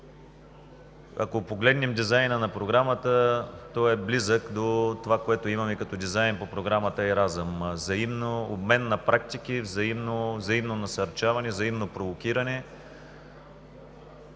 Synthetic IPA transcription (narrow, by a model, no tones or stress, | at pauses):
ɐ̰kopoɡlɛd̪nɛmd̪izajnənɐpɾoɡɾamət̪ət̪ɔɛblizəkd̪ot̪ovakoɛt̪oimɐmɛkɐt̪ɔd̪izajnpopɾoɡɾamət̪əɛɾazəmzɐimnoobmɛnːɐpɾak̚t̪ikivzɐimnozɐimnonɐsɐɾt͡ʃavɐnɛvzɐimnopɾovokʲiɾɐnɛ